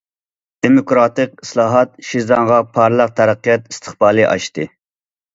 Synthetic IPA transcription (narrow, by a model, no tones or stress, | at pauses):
d̪̥emokɾɑːt̪ɨqi̥slˠɑːɦɑt̪̚ʃizɑŋʁɑpʰɑɾlˠəq̚t̪ʰæɾæqːijɑt̪i̥st̪ʰə̥χbɑːlˠɨʔɑ̰ʃt̪ɨ